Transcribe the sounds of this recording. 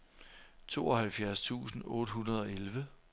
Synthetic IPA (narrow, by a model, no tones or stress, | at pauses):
t͡sʰo̝̰ːɒ̽hælfjæɐst͡sʰṵːsn̩ɔ̽ːɾ̥əɦunɐð̞ˠɒ̽elʋə